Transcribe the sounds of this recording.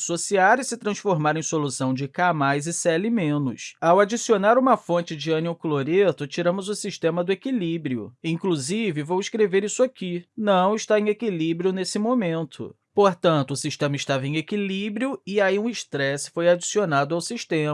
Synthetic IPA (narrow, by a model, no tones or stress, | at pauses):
sosiaɾɪsɪt̪ɾɐ̃sfoɾmaɾẽj̃solusɐ̃w̃d͡ʒɪkamajzɪsɛlɪmẽnʊ̰sawad͡ʒisionaɾũmɐfõnt͡ʃɪd͡ʒɪɐ̃niʊkloɾet̪ʊt͡ʃiɾɐ̃mʊzʊsiʃt̪ẽmɐd̪ʊekilibɾiʊ̰ĩkluzivɪvowɪʃkɾeveɾisʊakinɐ̃w̃ɪʃt̪aẽj̃ekilibɾiʊnesɪmõmẽnt̪ʰʊ̰ | poɾt̪ɐ̃nt̪ʊːsiʃt̪ẽmɐɪʃt̪avɐẽj̃ekilibɾiʊɪaiũɪʃt̪ɾɛsɪ̥fojad͡ʒisionad̪ʊawsiʃt̪ẽm